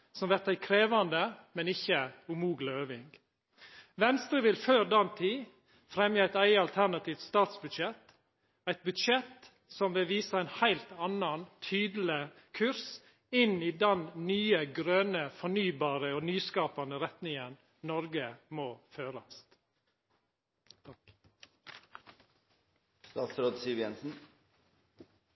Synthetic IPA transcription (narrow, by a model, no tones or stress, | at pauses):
sɔmʋɛɾt̪æɪkʰɾeːʋɑnd̪əmɛnɪçːəʊmuːɡləøːʋɪŋɡ | ʋɛnst̪ɾəʋɪlføːɾd̪ɑnt̪ʰiː | fɾɛmjəæɪt̪æɪəɑlt̪ʰæɾnɑt̪ʰiːft̪st̪ɑːt̪sbʉd̪ʃɛt̪ | æɪt̪̚bʉd̪ʃɛt̪ | sɔmʋɪlʋiːsəæɪnhæɪlt̪ɑnɑnt̪ʰyːd̪l̩ɪ | kʰʉɾs | ɪniːd̪ɛnnyːəɡɾøːnəfɔɳyːbɑːɾəoːnyːskɑːpɑnəɾɛt̪nɪŋən | nɔɾɡəmoːføːɾɑst̪ | st̪ɑːt̪sɾoːd̪siʋjɛnsn̩